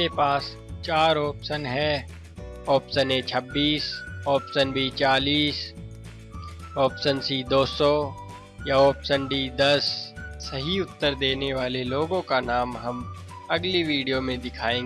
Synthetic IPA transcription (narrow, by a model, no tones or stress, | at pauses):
epaːs | t͡ʃaːɾɔːpsənɦɛː | ɔːpsənɛt͡ʃʰɐbːiːsɔːpsənbʱit͡ʃaːliːs | ɔːpsənsid̪oːsɔ | jaɔːpsənɖid̪ɐsːɐɦiʊt̪ːəɾd̪eːneʋaːleloːɡõkanaːmɦɐm | ɐɡliʋiːɖijomẽd̪ɪkʰaːẽː